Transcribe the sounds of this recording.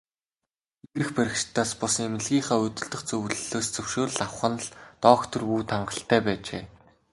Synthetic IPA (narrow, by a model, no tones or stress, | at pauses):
iɾɘ̆xpæɾʲɪ̆kʃt̪ʰaːspʊsŋemɘ̆ɮɣʲiːŋχæːɵt̪ɵ̆ɮt̪ɞ̆χt͡sɵwɮɵɮoːst͡sɵwʃoːɾ̆ɮawχə̆nɮt̪ɔːkt̪ʰɵ̆ruːt̪ʰaɴɢə̆ɬt̪ʰæːpæːt͡ɕḛː